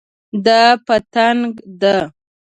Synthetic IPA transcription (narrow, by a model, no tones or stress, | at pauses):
d̪apət̪aŋɡd̪a